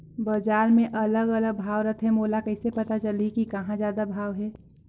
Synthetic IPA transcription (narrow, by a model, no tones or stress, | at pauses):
bad͡ʒaːɾmẽʔɐləɡɐləɡ̚bʱaːʋɾət̪ʰɦɛmoːlakɛːsepɐt̪at͡ʃəlikikɐɦãzjaːd̪abʱaːʋɦɛː